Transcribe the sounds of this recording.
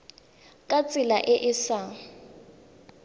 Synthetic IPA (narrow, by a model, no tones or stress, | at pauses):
kʼat͡sʼɪlaʔɪʔɪsaŋ̩